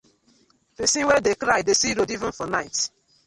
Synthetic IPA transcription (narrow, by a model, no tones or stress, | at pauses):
pesĩwɛdekɾaɪdesiɾodivʊ̃nfɔnaɪt